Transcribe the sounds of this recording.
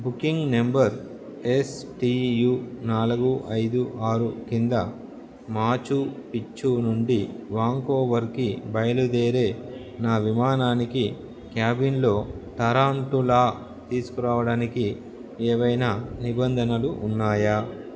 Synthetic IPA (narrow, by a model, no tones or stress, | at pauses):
bukiŋɡne̞mbɐɾ | esʈiːjuːnaːlɐɡuʔɐjd̪uʔaːɾukind̪ɐ | maːt͡ʃupit͡ʃːunuɳɖiʋaːŋkoːʋɐɾkibɐjɐlud̪eːɾe̞ː | naːʋimaːnaːniki | kjaːbinlo̞ːt̪ɐɾaːɳt̪ulaː | t̪iːsu̥kuɾaːʋɐɽaːniki | eːʋɐjnaːnibɐnd̪ʱɐnɐluʔːnːaːja